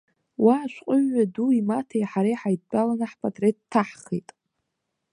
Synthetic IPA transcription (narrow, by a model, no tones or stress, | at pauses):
wʔaːʃʷqʼʊɥːaduimatʰajħaɾejħajt̚balanaħpʰʼatʼret̚tʰaħχḛjtʼ